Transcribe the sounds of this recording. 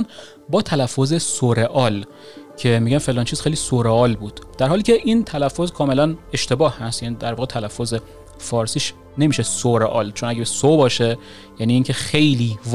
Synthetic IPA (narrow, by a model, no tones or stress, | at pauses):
n | bɒːt̪ʰælæfːoze̞soɾeʔɒːl | cʰe̞miɟænfelɒːnt͡ʃʰiz̥xejlisoɾeɒːlbuːd̪̥d̥̪æɾhɒːliːcʲʰe̞ʔint̪ʰælæfːo̞zkʰɒːme̞læneʃt̪e̞bɒːhhæst̪jæːnid̪æɾvɒːɣet̪ʰælæfːoze̞ | fɒːɾsiːʃ | ne̞miːʃesoɾeʔɒːlt͡ʃʰo̞næɟæsobɒːʃe | jæniːcʰe̞xe̞jliː